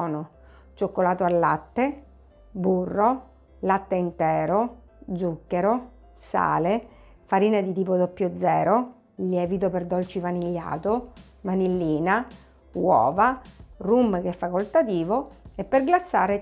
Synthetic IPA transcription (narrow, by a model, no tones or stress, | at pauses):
no | t͡ʃokːolaːt̪oalːat̪ːe | burːo | lat̪ːeint̪ɛːɾo | d̪zukːeɾo | sa̰ːle | faɾiːnad̪it̪iːpod̪opːjod̪zɛːɾo | ljɛːvit̪operd̪ɔlt͡ʃivaniʎːa̰ːt̪o | manilːiːna | wɔ̰ːvarumːk̟ɛfːakolt̪at̪iːvoepːerɡlasːaːɾe